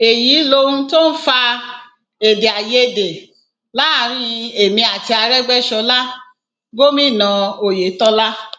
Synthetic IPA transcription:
e˨jiː˨˦lo˧ũ˧to˦n̩˦fa˧ | e˨de˨a˨je˧˨de˨ | la˦a˦˨˦ɾ̃ĩ˦˧e˨mĩ˧a˨ti˧a˧ɾɛ˦ɡ͡bɛ˦ʃɔ˧la˦ | ɡo˦mĩ˦˨nã˨o˨je˨˦tɔ˦la˦

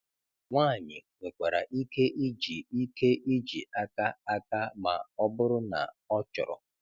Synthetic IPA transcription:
ŋʷaː˦˨ɲɪ̰˨ŋʷe˨kʷa˨ɾa̰˨ʔi˦ke˦ʔi˦d͡ʒi˨i˦ke˦i˦d͡ʒḭ˨a˦ka˦a˦ka˦ma̰˨ɔ˦bʊ˦ɾʊ˦na̰˨ | ɔ˦t͡ʃɔ̰˨ɾɔ̰˨

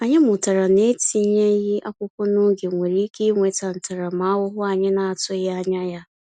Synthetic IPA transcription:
a˨ɲe˦mʊ˨ta˨ɾa˨ne˦ti˨˦ɲe˦ji˦ʔa˦kʷʊ˦kʷɔ˦no˦ɡe˨ŋʷe˨ɾi˦ke˦ŋʷe˨ta˨n̩˨ta˨ɾa˨ma˨a˦wʊ˦ɦʊ˦a˨ɲɪ˦na˨a˨tʊ˦ja˦ɲa˦ja˦

